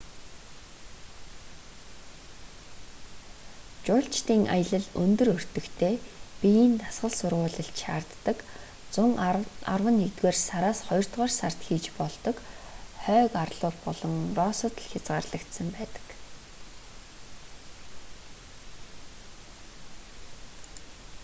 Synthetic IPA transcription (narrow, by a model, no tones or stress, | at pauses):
t͡ɕʊːɬt͡ɕt̪iːŋʔa̰jə̆ɮə̆ɮɵnt̪ɵ̆rɵr̥t̪ɵ̆kt̪ʰeːpijiːnt̪asɢə̆ɮsʊrʁʊːɮə̆ɬt̪ʃaːrt̪ːə̆k | t͡sʊŋa̰rwə̆nːekt̪ɡoːrsaɾaːsχɔjɞr̥t̪ʁɔːrsar̥t̪xiːt͡ɕpɔɮt̪ɞ̆kχœːkarɮʊːɮpɔɮɞ̆ŋrɔːsɔ̆t̪ɮxʲat͡sʁaːrɮə̆kt̪sə̆mpæːt̪ə̥̆k